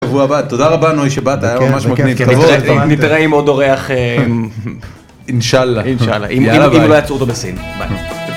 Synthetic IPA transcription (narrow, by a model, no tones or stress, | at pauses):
vuabat̪ːod̪aʁabanojʃebat̪aːjamamaʃmɐɡnivkːitvenit̪ʁeimod̪oʁeaχe | inʃalːaiʃala̰ʔimiimlojat͡suot̪obesinba̰jto